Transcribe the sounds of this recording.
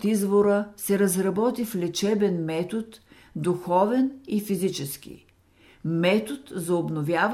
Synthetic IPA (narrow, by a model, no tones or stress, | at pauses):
t̪izvoɾəsɛɾəzɾɐbɔt̪iflʲɛt͡ʃɛbɛnmɛt̪ot̪ | d̪uxɔvɛnifizit͡ʃɛskḭ | mɛt̪ot̪zɐobnovʲjav